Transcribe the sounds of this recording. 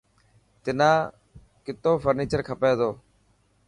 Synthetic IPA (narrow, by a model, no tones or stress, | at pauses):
t̪ɪnãː | kɪt̪oːfʰəɾniːt͡ʃəɾkʰəpeːd̪oː